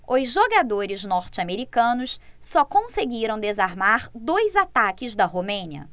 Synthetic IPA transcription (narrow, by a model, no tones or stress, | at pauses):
ʊzʒoɡad̪oɾɪznɔɾt͡ʃɪameɾikɐ̃nʊssɔkõseɡiɾɐ̃w̃d̪ezaɾmaɾd̪ojzat̪akɪzd̪ɐɦomẽɲiɐ̰